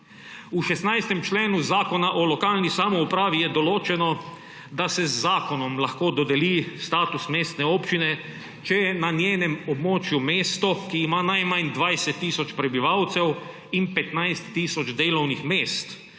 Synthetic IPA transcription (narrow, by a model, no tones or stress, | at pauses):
uʃɛsnajst̪ɛmt͡ʃleːnuzaːkɔnaʔɔlɔkaːlnisaːmɔupɾaːʋijɛd̪ɔloːt͡ʃɛnɔ | d̪asɛzːaːkɔnɔmlaxkoːd̪ɔd̪ɛlist̪aːt̪usmeːst̪nɛoːpt͡ʃinɛ | t͡ʃɛjɛnanjeːnɛmɔbmoːt͡ʃjumeːst̪ɔkiːmaːnajmand̪ʋajsɛt̪ːiːsɔt͡ʃpɾɛbiʋawt̪sɛw | inpɛt̪najst̪ːiːsɔd͡ʒd̪eːlɔwnixmeːst̪